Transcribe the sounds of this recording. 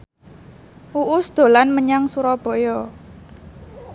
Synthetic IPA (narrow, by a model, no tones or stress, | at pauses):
uʔʊsd̪̥o̤lanməɲaŋsuɾɔb̥ɔ̤jɔ